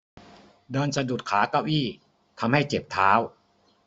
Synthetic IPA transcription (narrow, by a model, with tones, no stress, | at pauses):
dɤː˧nsa˧du˨˩t̪̚kʰaː˩˦kaː˧˩wʔiː˥˩ | t̪ʰa˧mha˥˩jt͡ɕe˨˩p̚t̪ʰaː˦˥w